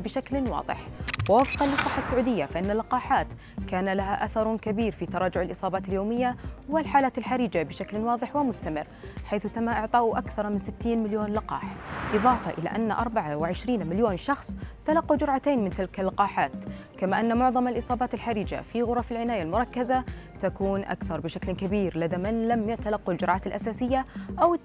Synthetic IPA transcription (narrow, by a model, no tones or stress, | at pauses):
bɪʃaklwɑ̰ːðˤɨ̰ħwɪwafqɑnlɨsˤːɨħːasːaʕuːd̪ɪjːafaʔɪnːalːɪqɑːħaːt̪ | kaːnalaɦaʔaθɑɾˤkabiːɾfit̪ɑɾˤɑːd͡ʒʊʕɪlʔɨsˤɑːbaːt̪ɪljoːmɪjːawɪlħaːlaːt̪ɪlħaɾiːd͡ʒabɪʃaklnwɑːðˤɨħwɪmʊst̪amɪrːħajθt̪amːaʔɪʕt̪ˤɑːʔʔakθɑɾˤmɪnsɪt̪ːiːnmɪljoːnlɪqɑ̰ːħʔɨðˤɑːfɑ̰ʔɪla̰ʔanːaʔɑ̰ɾˤbaʕawɪʕɪʃɾiːnmɪljoːnʃɑxsˤt̪alɑqːud͡ʒʊɾˤʕat̪eːnmɪnt̪ɪlkalːɑqɑːħaːt̪kamaːʔanːamʊʕðˤɑmalʔɨsˤɑːbaːt̪ɪlħaɾiːd͡ʒa̰fiɣʊɾˤɑfɪlʕɪnaːjalmʊɾˤɑkːazat̪akuːnʔa̰kθɑɾˤbɪʃaklkabiːɾlad̪amanlamjat̪alɑqːald͡ʒʊɾˤʕaːt̪ɪlʔasaːsɪjːaʔaw